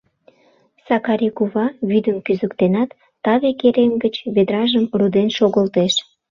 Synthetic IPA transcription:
sɑkɑɾikuβɑβyd̪əmkyzəkt̪enɑt̪ːɑβekeɾemɡət͡ɕβed̪ɾɑʒəmrud̪enʃoɣəlt̪eʃ

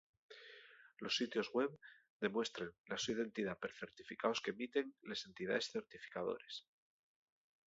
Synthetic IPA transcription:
lo̞sːit̪jo̞zɣwe̞β | d̪e̞mwe̞st̪ɾenlasuiðe̞nt̪iðapeɾθe̞ɾt̪ifikaoske̞mit̪e̞ŋlese̞nt̪iða̰esθe̞ɾt̪ifi̥kaðo̞̰ɾes

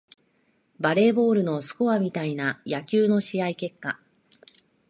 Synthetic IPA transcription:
baɾe̞ːbo̞ːɾɯ̟no̞sɨ̥ko̞βamʲit̪ainajakʲɨːno̞ɕiaike̞kːa

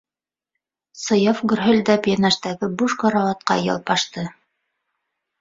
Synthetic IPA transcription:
sɤ̆jɑfɡɵ̆ɾɦɵ̆lʲd̪æpjenæʃt̪æɡɘbuʃqɑɾɑɑt̪̚qɑ̰jɑ̰lˠpɑʃt̪ɤ

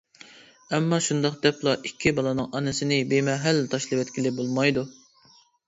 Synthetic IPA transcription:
ɛmːɑʃund̪ɑqd̪ɛplˠɑʔikʲʰːibɑlˠɑnɨŋʔɑnɨsɪnɪbemɛɦælːt̪ʰɑʃlˠɨwɛt̪kʲʰilɪbolˠmɑjd̪u

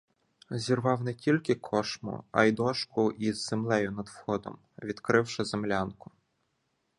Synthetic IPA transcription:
zʲirʋɑwnɛtʲilʲkɪkʰɔʃmʊ̰ɐ̰jd̪ɔʃkʊʔizːemlˠɛjʊnɐd̪wxɔd̪ɔ̰m | ʋʲid̪̥kɾɪwʃɪzemlʲankʊ̥

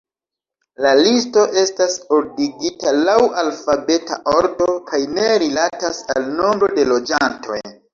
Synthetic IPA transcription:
lalisto̞ʔe̞stasoɾdiɡitalawalfabe̞ta̰ʔo̞ɾdo̞kʰajne̞ɾilatasalno̞mbɾo̞de̞lo̞d͡ʒantʰo̞̰j

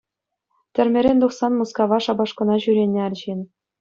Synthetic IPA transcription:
t̪ʲɘ̆rʲmʲeɾʲenʲd̪uχsɑnmuskɑʋɑʂɑbɑʂkɤ̆nɑʑyɾʲenʲːeɑrʲʑenʲ

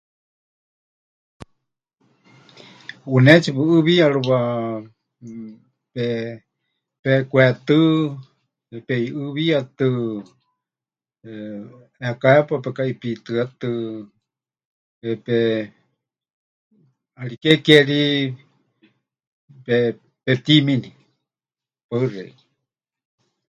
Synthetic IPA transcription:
unɛt͡ʃipɨɨβiaɺuβa | pɛ | pɛkʷwɛt̪ɨ | ɛpɛiʔɨβiat̪ɨ | ɛakaɛpapɛkaipit̪ɨat̪ɨ | ɛpɛ | aɺikɛkɛɺi | pɛ | pɛt̪imini | paɨrɛ̰

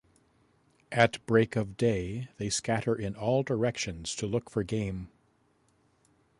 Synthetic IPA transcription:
ʔɨtb̥ɹeɪkʌvdeɪðeɪskæɾə˞ʔɪ̃nɔlˠdə˞ɛkʃɨ̃nz̥tʰəlʊkfə˞ɡẽɪ̃m

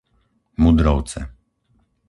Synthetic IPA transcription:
mud̪ɾɔwt̪sɛ̰

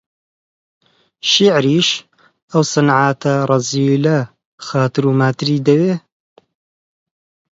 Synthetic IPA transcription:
ʃiʕɾiːʃ | ɐwsˤɨnʕaːt̪ʰɐɾˤɑziːlɐ | xaːt̪ɨɾuːmaːt̪ɨɾiːd̪ɐweː

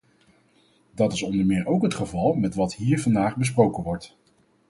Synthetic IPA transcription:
dɑtɪsɔndəɹmɪːɹʔowkɦətχəvɑlˠmɛtʋɑtɦiːɹvɑndaːχbəs̬prowkənʋɔɹt

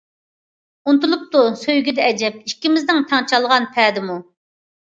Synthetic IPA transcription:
unt̪ulˠup̚t̪usøjɡʲid̪ɛɛd͡ʒɛp̚iʃkʲimɪznɪŋt̪ʰɑŋt͡ʃʰɑlˠʁɑnpʰɛːd̪ɪmu

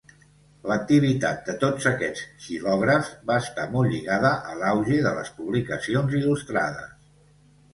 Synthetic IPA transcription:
lək̚t̪iβ̞it̪a̰t̪̚d̪ət̪od͡zəkɛt͡sʒilɔɣɾəvbaəst̪amolˠʎiɣaðəʔəlawʒiðələ̰spuβlikəsionzilust̪ɾa̰ðə̰s

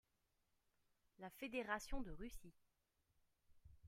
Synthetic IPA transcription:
lafed̪eʁasjɔ̃d̪əʁysi

